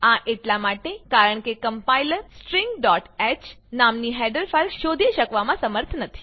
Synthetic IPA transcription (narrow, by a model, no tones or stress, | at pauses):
aʔeʈlamaʈekaɾəɳkekəmpajləɾsʈɾiŋɡɖɔʈɛt͡ʃnamniɦɛɖəɾfaɾʃod̪ʱiʃəkʋamãsəməɾt̪ʰnət̪ʰi̥